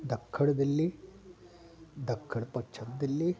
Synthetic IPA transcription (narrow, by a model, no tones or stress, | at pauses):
d̪ɐkʰːɐɽɐd̪ɐlːi | d̪ɐkʰːɐɽpɐkt͡ʃʰɐtd̪ɐlːi